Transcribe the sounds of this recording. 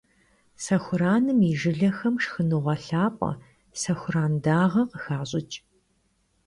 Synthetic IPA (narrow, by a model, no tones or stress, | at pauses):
sɐxʷʊɾaːnɨmiʒɨɮɐxɐmʂxɨnɨʁʷɐɬaːpʷʼɐ̰ | sɐxʷʊraːndaːʁɐqəxaːɕʼɪt͡ʃʼ